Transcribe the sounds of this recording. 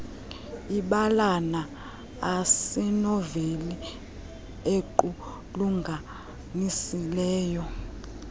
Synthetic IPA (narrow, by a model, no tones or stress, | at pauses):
iɓalana | asɛnɔveli | eǃu | luŋɡʱa | nisilɛːjɔ